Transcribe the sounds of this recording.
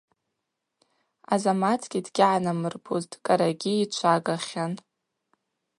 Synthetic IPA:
azamat͡sʰɡʲidɡʲaʕanamɨrbʰuztʼkʼaɾaɡʲiːt͡ʃʷʰaɡaχʲan

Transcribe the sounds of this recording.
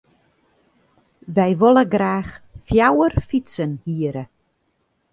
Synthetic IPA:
ʋɛjʋoləɡraːxfjawərfitsənhiəɾə

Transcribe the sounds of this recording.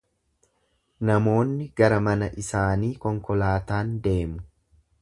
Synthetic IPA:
nɐmo̞ːnːɪɡɐɾɐmɐnɐʔɪsaːniːkɔŋkɔlaːt̪aːnd̪e̞ːmʊ

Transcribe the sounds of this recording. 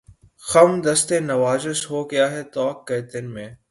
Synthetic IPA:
xɐmd̪ɐst̪ẽːnɐʋaːzɪsɦoːɡɐjaːɦɛːt̪ɔːkːeːt̪ɪnmẽː

